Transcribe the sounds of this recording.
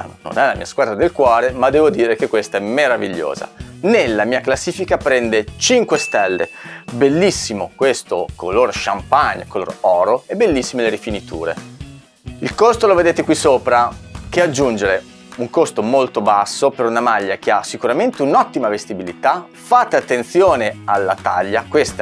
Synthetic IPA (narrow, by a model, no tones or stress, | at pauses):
no̰nɛlamḭːaskwad̪ɾad̪elkwɔːɾemad̪ːɛːvod̪iːɾekekːwest̪aɛmːeɾavḭʎːo̰ːza̰nelːamiːaklasːiːfikapɾɛnd̪et͡ʃiŋkwest̪ɛlːḛbelːisːimokwest̪okʰo̰lorʃampaɲːkolo̰rɔːɾoebelːisːimeleɾifinit̪ṵːɾḛ | ilkost̪oloved̪eːt̪ekwisoːpɾak̟ead͡ʒːund͡ʒeɾe | uŋkost̪omolt̪obasːopeɾunamaʎːak̟easikuɾament̪eunɔt̪ːimavest̪ibilit̪a | faːt̪eat̪ːent̪sjoːnealːat̪a̰ʎːakwest̪a